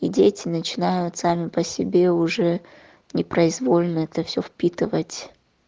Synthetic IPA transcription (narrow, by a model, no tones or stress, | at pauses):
idʲetʲɪnət͡ɕɪnajʊt̪samʲɪpəsʲɪbʲe̞ʊʐɛ | nʲɪpɾəɪzvolʲnəɛt̪əfsʲofpʲit̪ɨvətʲ